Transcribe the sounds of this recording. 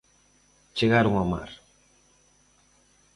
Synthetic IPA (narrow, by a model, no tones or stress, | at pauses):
t͡ʃeɣaɾʊŋama̰ɾ